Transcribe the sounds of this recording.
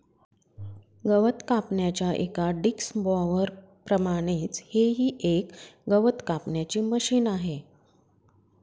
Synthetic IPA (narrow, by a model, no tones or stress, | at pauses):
ɡəʋət̪kapɳjat͡ɕjaʔḛkaɖiksbɔʋəɾ | pɾəmaɽ̃iːt͡sheɦiːʔekɡəʋət̪kapɳjat͡ɕiːməɕiːnaɦe